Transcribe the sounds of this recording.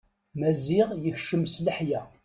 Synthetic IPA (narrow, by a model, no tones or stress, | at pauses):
mæzɪʁjəçʃəmsləħjæ